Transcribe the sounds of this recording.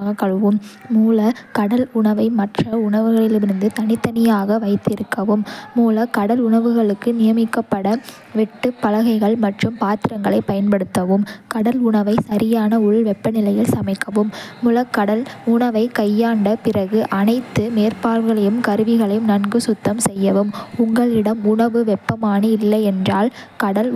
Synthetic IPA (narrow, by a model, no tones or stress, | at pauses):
ɣɐkɐɭɯʋɯmːuːlɐkɐɽɐlʊɳɐʋɐɪmɐʈrɐʊɳɐʋɯɣɐɭɪlɯmɪɾɯnd̪ɯt̪ɐnɪt̪ːɐnɪjaːɣɐʋɐɪt̪ːɪɾɯkːɐʋɯmːuːlɐkɐɽɐlʊɳɐʋɯɣɐɭɯkːɯnɪjɐmɪkːɐpːɐɽɐ | ʋɛʈːɯpːɐlɐɣɐɪɣɐɭmɐʈrɯmpaːt̪ɪɾɐŋɡɐɭɐɪpːɐjɐnpɐɽɯt̪ːɐʋɯmkɐɽɐlʊɳɐʋɐɪsɐɾɪjaːnɐʊɭʋɛpːɐnɪlɐjɪlsɐmɐɪkːɐʋɯmːʊlɐkːɐɽɐlʊɳɐʋɐɪkɐjːaːɳɖɐpɪrɐɣɯʔɐnɐɪt̪ːɯmeːrpaːlɣɐɭɐjɯmkɐɾɯʋɪɣɐɭɐjɯmnɐnɡɯsʊt̪ːɐmsɛjːɐʋɯmʊŋɡɐɭɪɽɐmʊɳɐʋɯʋɛpːɐmaːnɯɪlːɐɪɛndraːlkɐɽɐl